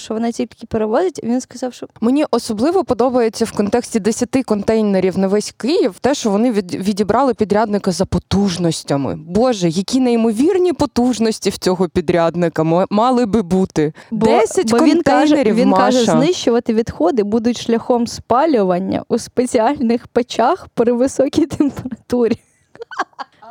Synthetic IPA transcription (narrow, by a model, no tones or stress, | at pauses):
ʃt͡ʃɔʋɔnɑtʲilʲkɪpeɾeʋɔzʲɪtʲʋʲinskɐzɑwʃt͡ʃɔmenʲiʔɔsɔblˠɪʋɔpɔd̪ɔbɐjet͡sʲːɐwkɔnt̪ɛksʲtʲid̪esʲɐt̪ɪkɔnt̪ɛjneɾʲiwnɐʋɛsʲkɪjiwt̪ɛʃt͡ʃɔʋɔnɪʋʲidʲibɾʔɑlˠɪpʲid̪ɾʲad̪nɪkɐzɐpɔt̪uʒnɔsʲtʲɐmɪ̰bɔʒɛjɐkʲinejmɔʋʲirnʲipɔt̪uʒnɔsʲtʲiwt͡sʲɔɦɔpʲid̪ɾʲad̪nɪkɐmmɑlˠɪbɪbut̪ɪdb̪ɛsʲɐtbʲɔkɔʋinɛʒneɾʲiwʋinkɑʒɛnnɪʃt͡ʃʊʋɐt̪ɪʋʲid̪xɔd̪ɪbud̪ʊtʲʃlʲɐxɔmspɑlʲʊʋɐnʲːɐ̰ʔuspet͡sʲiɑlʲnɪxpet͡ʃɑxpɾɪʋɪsɔkʲijt̪empeɾɐt̪uɾʲi